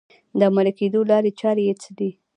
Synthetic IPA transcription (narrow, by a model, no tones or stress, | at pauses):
d̪əamalaked̪olɑɾet͡ʃɑɾejet͡səd̪i